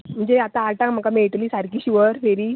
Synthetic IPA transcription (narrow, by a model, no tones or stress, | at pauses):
m̤əɳd͡ʑeat̪ãaɭʈãm̤əkameɭʈəliːsaɾkiːɕiʋəɾfeɾiː